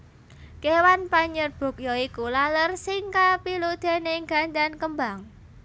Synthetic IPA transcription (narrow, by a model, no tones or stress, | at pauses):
kewanpaɲərb̥o̤k̚jɔikulalərsiŋkapilud̪̥e̤neŋɡa̤nd̪ankəmbaŋ